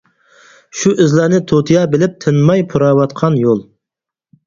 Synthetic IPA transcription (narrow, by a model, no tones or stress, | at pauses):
ʃuʔɪzlænɪt̪ʰot̪ʰijɑbɪlɪp̚t̪ʰɨnmɑjpʰuɾɑːwɑt̪̚qʰɑnjolˠ